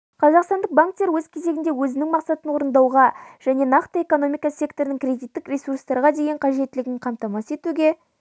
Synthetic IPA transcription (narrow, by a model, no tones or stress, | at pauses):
qʰɑzɑqst̪ɑnd̪əq̚baŋk̚t̪ːeɾwɵz̥kʲʰe̞ze̞ɡʲɪnd̪e̞wɵzɪnɪŋmɑqsɑt̪ənwo̞ɾənd̪ɑwʁɑʒ̥æne̞nɑqt̪əe̞ko̞no̞mijkɑsʲje̞kt̪o̞ɾnɪŋkrʲe̞d̪it̪ːɪkrʲe̞surst̪ɑɾʁɑd̪e̞jeɴqʰɑʒe̞t̪ːɪlɪɡʲɪŋqʰɑmt̪ɑmɑse̞t̪uɡʲe̞